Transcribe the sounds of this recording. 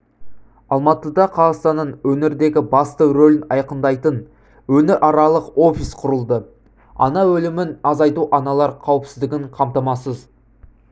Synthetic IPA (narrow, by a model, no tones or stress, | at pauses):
ɑlˠmɑt̪əd̪ɑqʰɑʁɑst̪ɑnːənwɵneɾd̪e̞ɡʲɪbɑst̪əɾolɪnɑjqənd̪ɑjt̪ən | wɵnɪɾʔɑɾɑlˠəqo̞fʲisqʰʊɾəlˠd̪ə | ɑ̰nɑwɵlɪmɪnɑzɑjt̪uʔɑnɑlˠɑɾqʰɑwɪpsɪzd̪ɪɡʲɪɴqʰɑmt̪ɑmɑsəz